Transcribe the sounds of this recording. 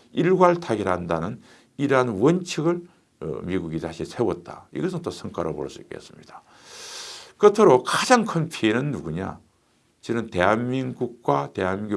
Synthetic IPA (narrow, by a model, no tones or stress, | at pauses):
iɭɡwaɭtʰaɡiɾɦandanɯn | iɾʌɦanwʌnt͡ɕʰiɡɯɭ̰ | miɡuɡitaɕʰisʰewʌt̚t͈a̰ḭɡʌsʰɯnt͈osʰʌŋk͈aɾopo̰ɭs͈uḭk͈e̞̰s͈ɯ̥mɲida | kɯtʰɯɾokad͡ʑaŋkʰɯnpʰienɯnːuɡuɲa̰ | t͡ɕɯnɯnte̞ɦanmiŋɡuk̚k͈wateɦanmiŋɡu